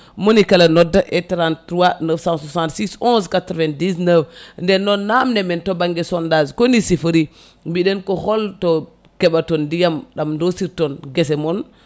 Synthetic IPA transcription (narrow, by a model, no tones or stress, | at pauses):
monikalanɔdaʔɛtɾantɾuwanəfsãsasãntsisɔ̃nskatɾɔvɛ̃ndis̬nəfndɛnɔnːamnɛmɛntobaŋɡɛsɔndazkonisifəɾi | mbiɗenkɔhɔlto | kɛɓatɔndijamɗamdosiɾtɔnɡes̬ɛmɔn